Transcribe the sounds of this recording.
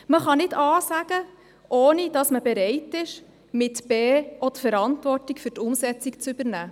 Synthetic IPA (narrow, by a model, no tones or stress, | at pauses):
məχɑnɪdɑːsæɡ̥ə | ʔɔːnid̥ɑsməbɛɾɛɪtɪʃ | mɪtb̥eːɔdəfɛɾɑntʋɔrtikfɵɾtʊmsɛt͡sikt͡sʏbəɾnæː